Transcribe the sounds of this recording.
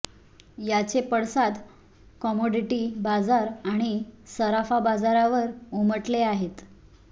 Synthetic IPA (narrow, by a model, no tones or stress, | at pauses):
jat͡sepəɽsad̪ | kɔmoɖiʈibad͡zaɾaɽ̃isəɾafabad͡zaɾaʋəɾuməʈleaɦet̪